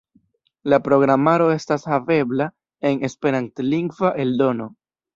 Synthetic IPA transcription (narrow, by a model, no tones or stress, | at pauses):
lapɾo̞ɡɾamaɾo̞e̞stashave̞bla | e̞ne̞spe̞ɾantliŋɡvaʔe̞ldo̞no̞